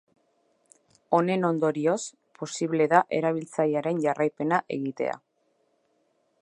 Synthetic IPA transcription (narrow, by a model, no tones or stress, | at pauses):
o̞ne̞no̞nd̪o̞ɾios | po̞siβle̞ðaʔe̞ɾaβ̞ilt͡sajaɾe̞nʝarajpe̞naʔe̞ɣit̪e̞̰a̰